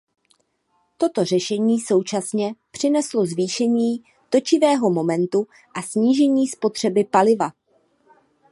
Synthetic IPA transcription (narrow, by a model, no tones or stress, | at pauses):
t̪o̞t̪o̞r̝ɛʃɛɲiːso̞wt͡ʃasɲɛpr̝̥ɪnɛslo̞zviːʃɛɲiː | t̪o̞t͡ʃɪvɛːɦo̞mo̞mɛnt̪u | ʔasɲiːʒɛɲiːspo̞t̪r̝̥ɛbɪpalɪva